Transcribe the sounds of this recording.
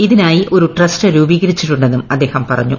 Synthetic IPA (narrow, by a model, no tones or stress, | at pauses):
iðinaːjiʔo̞ɾuʈrɐstɨɾuːbiːɣɐɾit͡ɕːiʈːuɳɖenːumɐd̪ːeːhɐmpɐrɐ̰ɲːu